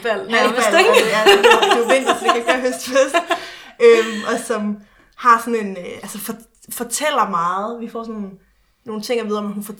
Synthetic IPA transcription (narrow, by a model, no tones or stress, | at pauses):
fɛl̰ælɡ̥ænuʋen̰d̥ɐfl̥ikæɡ̥̚ɡ̥æhøsd̥fesd̥ømʔɒ̽sɒ̽m | hɑ̈sɒ̽ne̝nælsəfɒ | fɒ̽t͡sʰel̰ɐmɑ̈ːð̩ˠʋifɒ̰ːs̬ɒn | no̝ːn̩t͡sʰe̝ŋ̰ɐʋið̞ˠɒ̽mæɦunfɒ